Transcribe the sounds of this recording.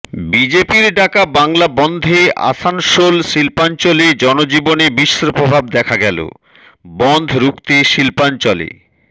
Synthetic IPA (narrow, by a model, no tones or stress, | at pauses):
bid͡ʑepiɾɖakabaŋlabɔnd̪ʱea̰sanʃolʃilpant͡ɕoled͡ʑɔnod͡ʑibonebiʃːɾopɾobʱab̚d̪ɛkʰaɡɛlo̰ | bɔnd̪ʱɾukt̪eʃilpant͡ɕɔlḛ